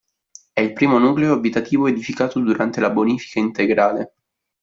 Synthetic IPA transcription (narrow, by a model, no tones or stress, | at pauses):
ɛilpɾiːmonuːkleoabit̪at̪iːvoed̪ifikaːt̪od̪uɾant̪elaboniːfi̥kaint̪eɡɾaːle